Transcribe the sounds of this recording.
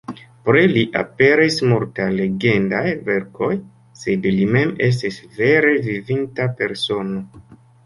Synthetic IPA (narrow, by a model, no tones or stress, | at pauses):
pɾeliʔa̰pe̞ɾismultale̞ɡe̞ndajve̞ɾko̞j | se̞dlime̞me̞s̬tisve̞ɾe̞vivintape̞ɾso̞no̞